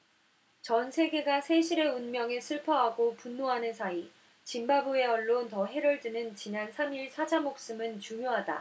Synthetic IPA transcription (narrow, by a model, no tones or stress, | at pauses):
t͡ɕʌnsʰe̞ɡe̞ɡasʰe̞ɕʰiɾe̞unmjʌŋesʰɯɭpʰʌɦaɡopunːoɦanɯnsʰai | t͡ɕimbabue̞ʌɭːontʌɦe̞ɾʌɭdɯnɯnt͡ɕinansʰamiɭsʰad͡ʑamok̚s͈ɯmɯnt͡ɕuŋjoɦada̰